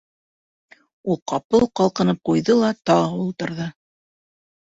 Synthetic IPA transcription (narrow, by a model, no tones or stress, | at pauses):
ulˠqɑpɤlˠqɑlˠqɤ̆nɤp̚qujðɤlˠɑt̪ɑɑulˠt̪ɤ̆ɾðɤ